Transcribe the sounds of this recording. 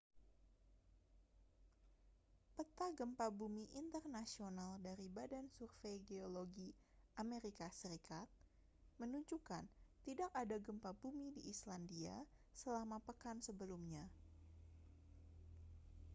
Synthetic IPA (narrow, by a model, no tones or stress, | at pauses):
pət̪aɡəmpabumiʔint̪ərnasionaldaɾibadansurfejɡeoloɡi | ameɾikasəɾikat̪̚ | mənuɲd͡ʒukant̪idak̚adaɡəmpabumidiʔːslandia̰səlamapəkansəbəlumɲa